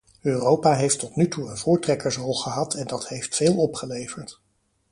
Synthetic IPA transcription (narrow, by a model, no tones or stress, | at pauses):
øːrowpaːɦejftɔtnytuənvʊːɹtrɛkəɹsɔlˠχəɦɑtʰɛndɑtɦejftfeːlˠɔpχəlejvəɹt